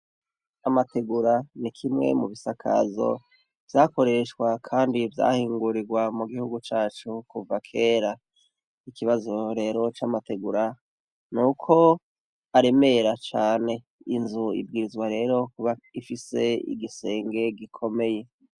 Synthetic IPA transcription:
amatʰe̞ɡuɾanikʰimŋe̞̰muβisakʰa̰zo̞̰ | vjaːko̞ɾe̞ʃkwakʰaːndivja̰hiːŋɡuɾiɡwamuɡihuɡut͡ʃaːt͡ʃukuvakʰe̞ːɾa | ikiβazo̞ɾe̞ːɾo̞t͡ʃamate̞ɡuɾa | nuːkʰo̞ | aɾe̞me̞ɾat͡ʃaːne̞ | inzuḭbɡiːɾizɡwaɾe̞ːɾo̞kuβaifise̞ḭɡise̞ːŋɡe̞ɡikʰo̞me̞je̞

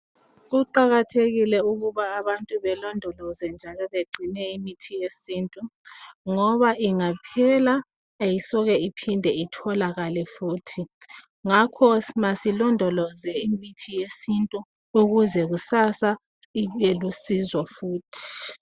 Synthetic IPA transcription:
ɣuǃaɣatʰeɣilɛuɣuβaːβantʼuβɛlɔndʱɔlɔzɛnd͡ʒʱalɔβeɡ͡ǀʱinɛimitʰijesintʼuŋɔβaʔiŋapʰɛlaː | jisɔɣɛipʰindʱɛitʰɔlaɣalɛfuːtʰi | ŋakʰɔsmasilɔndʱɔlɔzɛimitʰijesintʼu | uɣuzɛɣusasa | ielusizwafuːtʰi̥

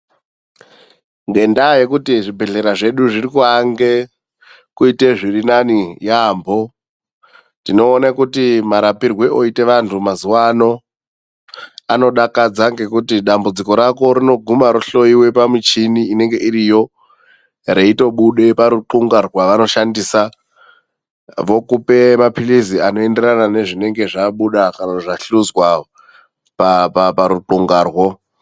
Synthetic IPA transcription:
ŋɡe̞ndajekutiʐibʱe̞ɮe̞ɾaʐe̞ɗuʐirikuaŋɡe | kuite̞ʐirinanijaːmbo̞ | tino̞ːnakutimaɾapirwe̞ʔo̞ite̞ʋantʰumazuwano̞ | ano̞ɗakad͡zaŋɡe̞kutiɗambud͡ziko̞ɾako̞ɾino̞ɡʱumaɾuɬo̞iwe̞pamit͡ʃiniine̞ŋɡe̞ʔiɾijo̞ | re̞ito̞ɓuɗe̞paɾuǃuŋɡarwaʋano̞ʃandiːsa | ʋo̞kupe̞mapʰiliziano̞e̞nde̞ranane̞ʐine̞ŋɡe̞ʐaɓuɗakanaʐaɬuzwa | papapaɾuǃuŋɡaːrwo

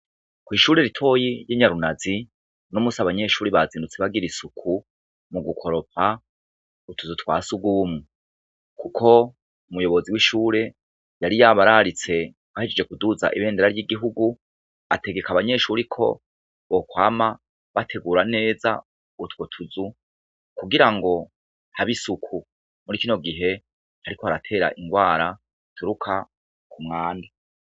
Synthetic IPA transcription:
kwiːʃuːɾe̞ɾitʰo̞ːjijiɲaɾunazi | nomusaβaɲe̞ʃuːɾiβazindut͡seβaɡiɾisukʰu | muɡukʰo̞ɾo̞p̚ʰa | utʰuzutwa̰ːsuɡumŋu | kukʰo̞ | umujo̞βo̞ziwiʃuːɾe̞ | jaɾijaβaɾaɾit͡se̞ | βahied͡ʒed͡ʒe̞kuduza̰ʔiβe̞ːndeɾaɾjiɡiɦuɡu | ate̞ɡe̞kaβaɲe̞ʃuɾikʰo̞̰ | βokwaːma | βatʰe̞ɡuːɾane̞ːza̰ | utwotʰuzu | kuɡiɾaŋɡo̞ | haβisukʰu | muɾikino̞ɡiɦe̞ | haɾikohaɾatʰe̞ːɾa̰ʔiŋɡwaːɾa | tʰuɾukʰa | kumŋaːnda

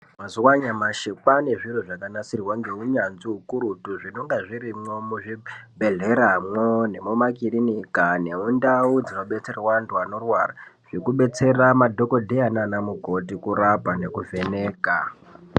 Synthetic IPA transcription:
mazuwaɲamaʃipane̞ʐiruʐakanasirwaŋɡe̞uɲanziukuɾutuʐino̞ŋɡaʐiɾimo̞muʐibʱe̞ɮe̞ɾamwone̞mumakiɾinikane̞undaud͡zino̞ɓe̞t͡se̞rwanduano̞rwara | ʐ̥ikuɓe̞t͡se̞ramadʱo̞ko̞dʱeananamuɡʱo̞tikurapane̞kuve̞ne̞ːka

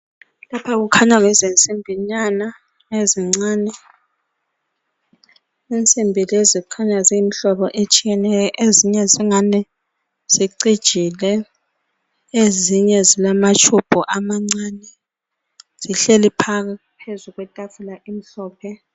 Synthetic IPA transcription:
lapʰaɣ̬ukʰaɲaŋɛzent͡sʼimbʱiɲana | eziŋ͡ǀaːnɛ | ent͡sʼimbʱilezikʰaɲaziimiɬɔɓɔʔet͡ʃʼijɛnɛjɔʔeziɲɛziŋanɛ | z̥iǀid̥ʒ̥ʱilɛ | eziɲɛzilamat͡ʃʰub̥ʱuʔamaŋ͡ǀanɛ | z̥iɬelipʰak̬a | pʰezuɣwɛtʼafulaʔim̩ɬɔːpʰɛ

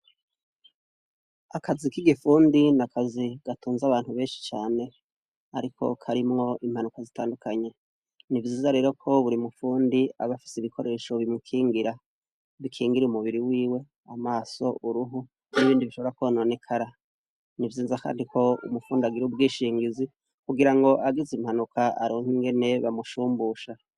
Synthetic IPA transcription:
akazikiɡifuːndinakʰaziɡ̥atʰuːnzaβaːn̥huβe̞ːnʃi̥t͡ʃaːne̞ | a̰ɾikʰo̞̰kʰaɾimŋo̞ʔim̥hanukazitaːndukaɲe̞ | nivjiːzaɾe̞ːɾo̞kʰo̞βuɾimufuːndiaβafi̥seiβikʰo̞ɾʔe̞ːʃoβimŋukʰiːŋɡiɾa | βikʰiːŋɡiɾiumuβiɾiwiːwe̞ | amaːso̞uɾuɦu | niβiːndiβiʃo̞βoɾakuβonone̞kʰaɾa | nivjiːzaka̰ːndikʰo̞ṵmufuːndiaɡiɾiub̚ɡiːʃiːŋɡizi | kuɡiɾaŋɡo̞ʔaɡizimhanukaaɾoŋhiŋɡe̞ne̞βamuʃuːmbuʃa

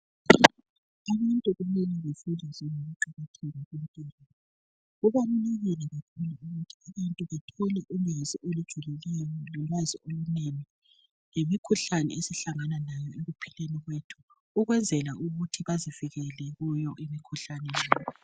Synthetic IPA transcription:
aβantʼuɣumɛlɛβefulizɛŋoɣuǃiɣatʰɛlaɣintʼɛːlɔ | ɣuβanuleɣilɛβakʰulauɣutʰi̥aβantʼuβatʰɔlɛʔuleziʔolud̥ʒ̥ʱulelɛjɔjɔlilwaziʔoɣuneni | ŋemikʰuɬanɛ̰esiɬaŋananajɔeɣupʰi̥leniɣwetʰu̥ː | ɣwɛnd͡zʱɛlaʔuɣutʰiβaziviɣɛlɛɣujɔʔemikʰuɬanɛlaːjɔ

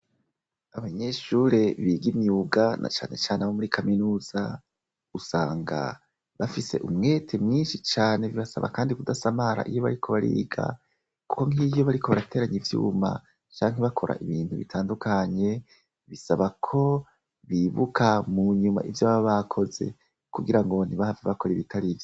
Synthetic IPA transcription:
aβaɲe̞ʃuːɾe̞βiɡimjuɡana̰t͡ʃa̰ːne̞t͡ʃaːnemomuɾikʰaminuːz̥a | usaːŋɡa̰ | βafise̞̰ʔumŋe̞tʰe̞mɲiːnʃit͡ʃaːne̞βiβasa̰βa̰kaːndikudasamaɾa̰ʔijo̞βaɾikʰo̞βaɾḭːɡa̰ | ku̥ko̞ŋijo̞βaɾiko̞βaɾatʰe̞ːɾaɲivjṵːma̰ | t͡ʃaːŋ̥eβakʰo̞ɾʔa̰ʔiβiːntuβitʰaːndukʰaɲe̞ | βisaβakʰo̞ | βiβukʰamuɲuma̰ʔivjaβaβakʰo̞ze̞̰ | kuɡiɾaŋɡo̞niβahaveβako̞ɾiβitʰaɾivjo

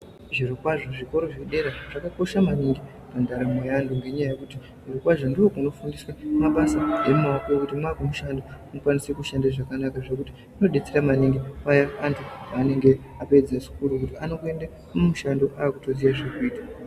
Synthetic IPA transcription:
ʐirokwaʐo̞ʐiko̞ɾo̞ʐe̞ɗe̞ɾaʐ̥akako̞ʃamaniŋɡi | pandaɾamajandoŋɡe̞ɲajaje̞kuti | ʐirokwaʐondiwo̞kuno̞fundiswamaɓasaemumaakojokutimakumuʃandomukwanisekuʃandaʐakanakaʐekuti̥ | uno̞ɗe̞t͡seɾamaneŋɡeajaːntʰuane̞ŋɡe̞ | ape̞d͡zaʐi̥kuɾukutiano̞kue̞nda | mmuʃando̞ʔaːkutod͡zijaʐekuiːta

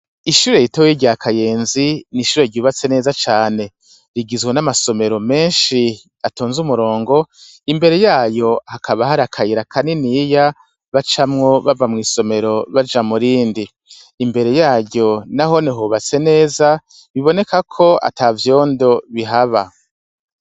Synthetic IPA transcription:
iʃuːɾe̞jitowjiɟaakʰaje̞ːnziniʃuːɾe̞ɟuːβat͡se̞ne̞ːzat͡ʃaːne̞ | ɾiɡizɡwenamaso̞me̞ɾo̞me̞ːnʃi | atoːnzumuɾo̞ːŋɡo̞ | imbe̞ɾe̞jaːjo̞hakʰaβaɦaɾakʰajiɾakʰaninija | βat͡ʃamŋo̞βavamŋiːso̞me̞ɾo̞βad͡ʒamuɾiːndiː | mbe̞ɾe̞jaːɟo̞naɦo̞niɦuβat͡se̞ne̞ːza | βiβo̞ne̞kakʰo̞a̰tavjo̞ːndo̞βiɦaβa

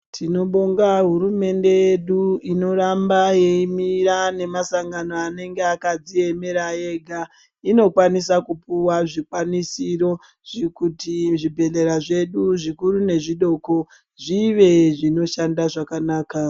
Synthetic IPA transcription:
tʰino̞ɓoŋɡaɦuɾume̞nde̞je̞ɗuino̞ɾambaje̞imiɾane̞masaŋɡano̞ane̞ŋɡe̞akad͡zie̞me̞ɾaje̞ɡʱa | ino̞kwanisakupuwaʐikwanisiɾo̞ | ʐikutiʐibʱe̞ɮe̞ɾaʐe̞ɗuʐikuɾune̞ʐiɗo̞ko | ʐiʋe̞ʐino̞ʃandaʐakanaːka

